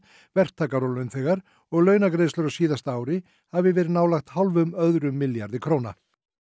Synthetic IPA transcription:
vɛr̥t̪ʰaːkaɾowlːœɥnθɛːɣaɾ | ɔɣlœːɥnakɾejslœɾasiːðast̪aːwɾɪ | havɪvɛːɾɪnaːwlaxt̪halvʏmœðɾʏmːɪljaɾðɪkʰɾowna̰

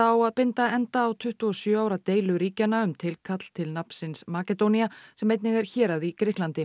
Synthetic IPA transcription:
awaðpɪnt̪aɛnt̪aːwt̪ʰʏht̪uɔsjœːaːwɾat̪eːjlʏɾiːcanːaʏmt̪ʰɪlkʰat̪l̥t̪ʰɪlnapn̥sɪnsmaːcɛt̪ownijasɛmːejt̪nɪɣɛɾ̥çɛːɾaðikɾɪhklant̪ɪ

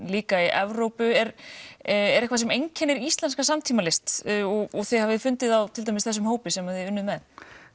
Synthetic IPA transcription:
liːkaiʔɛvɾowpʏɛɾ | ɛɾɛhkvaɾs̬ɛmejɲcʰɛnːɪɾist̪lɛnskasamt̪ʰiːmalɪst̪ɔɔɣθehavɪðfʏnt̪ɪðawt̪ʰɪlt̪ajmɪsθɛs̬ʏmhoːwpɪsɛmavɪʏnːʏmɛð

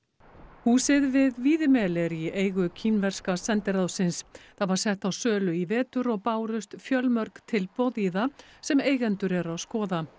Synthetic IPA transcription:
huːsɪðvɪðviːðɪmɛːlɛɾieːjɣʏcʰinvɛr̥skasɛnt̪ɪɾawsɪnsθaðvaɾ̥sɛht̪awsœːlʏivɛːt̪ʏɾɔɣpaːwɾʏst̪fjœlmœɾkt̪ʰɪlpowðiðasɛmeːjɣɛnt̪ʏɾɛɾaðskɔːða

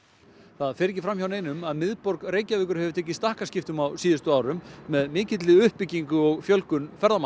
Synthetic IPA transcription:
θaðfɛɾɛc̬ːɪfɾamçawneːjnʏmaðmɪðpɔɾkreːjcavɛːkʏɾ̥hɛvʏt̪ʰɛːc̬ːɪst̪ahkascɪft̪ʏmawsiːðɪst̪ʏaːwɾʏmːɛðmɪːcɪt̪lɪʏhpːɪcːiŋkʏɔɣfjœlkʏnfɛɾðama

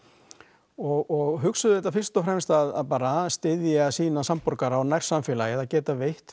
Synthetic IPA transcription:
ɔɣɔɣɦʏksʏðʏɛht̪afɪr̥st̪ɔfɾɛmst̪aðaðpaːɾast̪ɪðjasiːnasampɔɾkaɾawnajr̥samfɛːlajɪðacɛːt̪avejht̪

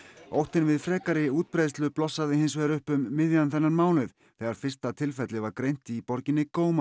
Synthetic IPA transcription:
o̰wht̪ɪnvɪðfɾɛːkaɾɪuːt̪̚pɾejðst̪lʏplɔsːaðɪɦɪnsvɛːɾʏhpʏmːɪðjanθɛnːaɾmaːwnʏv̥ | θɛːɣaɾ̥fɪr̥st̪at̪ʰɪlfɛt̪lɪvaɾkɾejn̥t̪ɪipɔɾcɪnːɪkoːwma

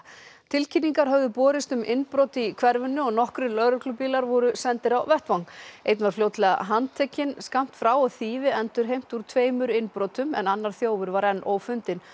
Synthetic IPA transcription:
t̪ʰɪlcʰinːiŋkaɾ̥ɦœvðʏpɔːɾɪst̪ʏmʔɪnpɾowt̪ikʰvɛɾvʏnːʏɔɣnɔhkɾʏlœɾʏklʏpiːlaɾvɔɾʏsɛnt̪ɪɾawvɛht̪vawŋejt̪nvaɾfljowt̪lɛːɣa̰ɦant̪ʰecːɪnskam̥t̪fɾawɔθiːvɪɛnt̪ʏɾ̥ɦejm̥t̪uɾ̥t̪ʰveːjmʏɾɪnpɾɔːt̪ʏmɛ̰nanːaɾ̥θjoːwvʏɾvaɾɛnːʔoːwfʏnt̪ɪn

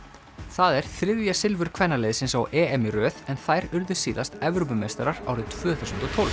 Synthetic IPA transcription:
θaðɛɾ̥θɾɪðjasɪlvʏɾ̥kʰvɛnːalejðɪsɪnsawʔɛːɛmɪɾœːðɛnθajɾʏɾðʏ̥siːðast̪ɛvɾupʏmejst̪aɾaɾa̰wɾɪt̪ʰv̥œːθuwsʏnt̪ɔt̪ʰɔl

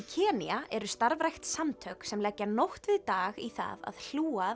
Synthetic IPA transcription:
icʰɛːniaʔɛɾʏst̪aɾvɾajxt̪samt̪ʰœksɛmlɛcːanowht̪vɪðt̪aːɣiθa̰ða̰ðl̥uːa

